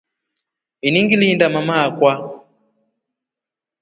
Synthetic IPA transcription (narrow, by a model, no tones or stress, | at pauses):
iniŋɡilindamamaːkwa